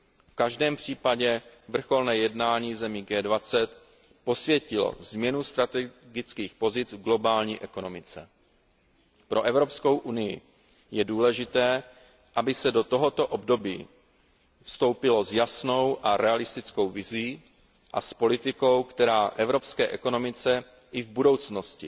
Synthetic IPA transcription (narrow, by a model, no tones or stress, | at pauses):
fkaʒdɛːmpr̝̥iːpaɟɛvr̩xo̞lnɛːjɛdnaːɲiːzɛmiːɡɛːdvat͡sɛt̪ | po̞svjɛcɪlo̞̰zmɲɛnust̪ɾat̪ɛɡɪt͡skiːxpo̞zɪt͡svɡlo̞baːlɲiːʔɛko̞no̞mɪt͡sɛ | pɾʔo̞ʔɛvɾo̞psko̞wʔunɪjɪ̰ | jɛduːlɛʒɪt̪ɛː | ʔabɪsɛdo̞t̪o̞ɦot̪o̞ʔobdo̞bḭː | fst̪o̞wpɪlo̞zjasnowʔaɾɛalɪst̪ɪt͡sko̞wvɪziː | ʔa̰spo̞lɪt̪ɪkowkt̪ɛɾaːʔɛvɾo̞pskɛːʔɛko̞no̞mɪt͡sɛ | ʔɪvbudo̞wt͡sno̞scɪ̰